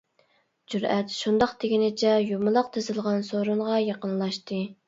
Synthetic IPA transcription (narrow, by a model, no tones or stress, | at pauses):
d͡ʒuɾɛt̪ʃund̪ɑqt̪ʰeɡʲinɪt͡ʃʰɛjumʊlˠɑq̚t̪ʰezɨlˠʁɑnsoɾuɴʁɑjɑqənlˠɑʃt̪ɨ